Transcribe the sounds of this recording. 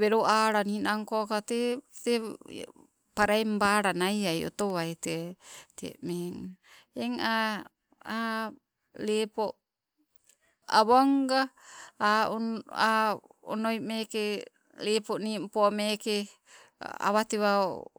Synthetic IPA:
βeɾoʔaɾaninaŋkokatetḛ | paɾaimbaɾanajajo̰t̪oβajtetḛmeŋ | eŋa | a | lepo | a̰βoŋɡaː | ao̰nojmeke | leponimpomekḛ | a̰βateβao̰

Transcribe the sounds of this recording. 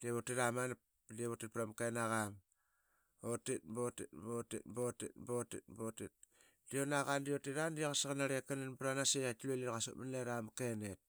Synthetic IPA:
dieβotetamana | dieβotet̚pɾamkanaɣam | otet̚botetbotet̚botḛt̚botḛt̚botet̚ | dionaɣandioteɾandiaɣasaɣanaɾekenenbuɾanasejatlueliɣaso̰manleɾamkenet̚

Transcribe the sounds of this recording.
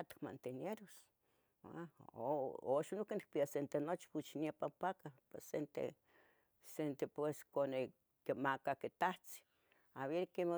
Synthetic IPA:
at̪ḁkma̰nt̪enjeɾos | a̰o̰oʃanoknik̚piasent̪enot͡ʃi̥put͡ʃnjepapakapesent̪ḛ | sent̪epweskone | kemakaket̪aht͡si̥ | aβeɾkeme

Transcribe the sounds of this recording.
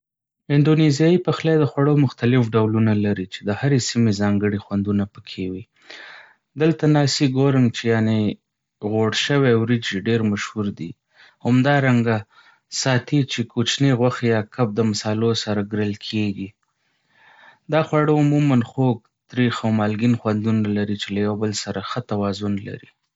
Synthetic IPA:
ɪnd̪onezijɑjipaxlajd̪əxwaɽomʊxt̪alɪfɖawlunalaɾit͡ʃe̥d̪əhaɾesimezɑŋɡəɽixwand̪unapəkʰewi | d̪əlt̪anɑsiɡoɾɪŋɡt͡ʃejɑne | ɣoɽʃəwewɾid͡ʒeɖeɾmaʃhuɾd̪ḭ | hamd̪ɑɾaŋɡa | sɑt̪it͡ʃekʰot͡ʃneɣwaxjɑkʰap̚d̪əmasɑlosaɾaɡɾəlkʰeɡi | d̪ɑxwɑɽəʊmumanxoɡ̚ | t̪ɾixawmɑlɡinxwand̪unalaɾit͡ʃelajawbəlsaɾaxət̪awɑzʊnla̰ɾi

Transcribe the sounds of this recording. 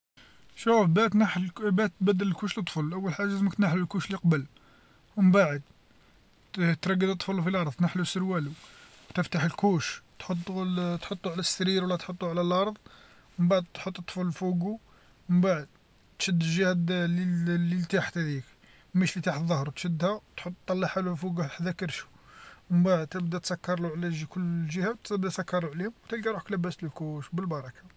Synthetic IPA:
ʃuæfbæt̪naħlbæt̪ːbæd̪ːələlkuʃlət̪ˤːfolʔæwːəlħaʒazəmːækt̪naħlulkuʃləqɑbəl | wmbaʕəd̪ | t̪ɾˤɑɡːəd̪t̪ˤfəlufilʔɑɾˤðˤt̪naħlusəɾwælu | wt̪əft̪aħəlkuʃt̪ħot̪ˤːut̪ħot̪ˤːuʕlæsːɾiɾwəlːæt̪ħot̪ˤːuʕlælʔɑɾˤðˤ | məmbaʕəd̪̚t̪ħot̪ˤːət̪ˤfullfuɡu | məmbaʕəd̪̚ | t̪ʃəd̪ːəʒəhæd̪lililt̪aħt̪hæd̪ik | miʃlit̪aħðˤːɑhɾwt̪ʃəd̪ːhæt̪ħot̪ˤːɑlːɑħalfuɡħd̪ækːəɾʃu̥ | məmbaʕəd̪̚t̪əbd̪æt̪sækːɑɾˤluʕlæʒkʊlːlʒəhæt̪bd̪æt̪sækːɑɾˤluʕlihʊmwt̪əlɡiɾuħəklæbæsləlkuʃbəlbɑɾˤɑka

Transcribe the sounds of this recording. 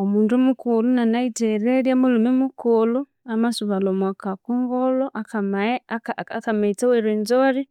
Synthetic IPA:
omuːntumukulunanaiteɾeɾjamulumimukulu | amasuβalomwakakuːŋɡoloʔakamaakamet͡seweɾweːnzoɾi

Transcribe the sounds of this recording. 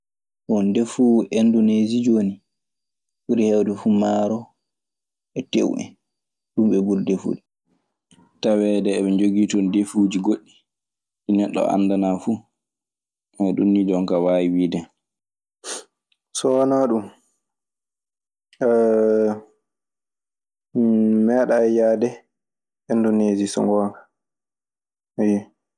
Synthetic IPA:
tɔndefuʔendɔnezid͡ʒoni | ʔuɾihɛwdɛfumaɾɔ | ɛtḛw̰ɛ̰ | ɗumɓɛbuɾdefṵɗi | tawɛdɛːɓɛɲd͡ʒoɡitɔndefuːd͡ʒiɡoɗːi | inɛɗːɔ̰a̰nːdanafu | ʔɛɗunːid͡ʒɔŋkawaiwiːdɛ | sɔwanaɗum | mɛːɗaɛjaːdɛ | ɛndɔnezisɔ̰ŋɡɔŋɡa | ajɛ

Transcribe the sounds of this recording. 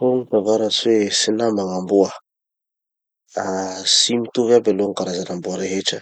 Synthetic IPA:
oŋifavaɾaswesinamaŋambuə | asimit̪uvabeloaŋkaɾazanambuaɾeɦeʈ͡ʂə

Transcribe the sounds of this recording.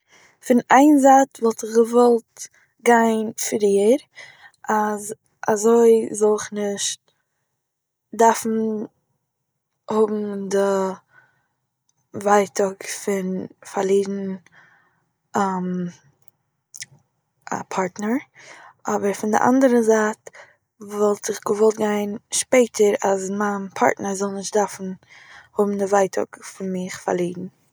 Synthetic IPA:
fɪnaɪnzatvɔlˠtɪχɡəvɔlˠt | ɡaɪnfɾiəɾ | ʔaz | a̰zoɪzɔlˠɪχnɪʃt̚ | daɾfn̩ | hʊbm̩dɪ | vaɪtʰɔkfɪnfaɾlˠiːdn̩ | am | ʔa̰pʰaɾtnəɾʔɔbəɾfɪndɪ̰ʔa̰ndəɾəzaːt | vɔlˠtɪχɡəvɔlˠt̚ɡaɪnʃpeɪtʰəɾazmanpʰa̰ɾtnəɾzɔlˠnɪʃt̚daɾfn̩ | hʊbm̩dɪvaɪtʰɔ̰kfɪnmɪχfa̰ɾlˠiːdn̩

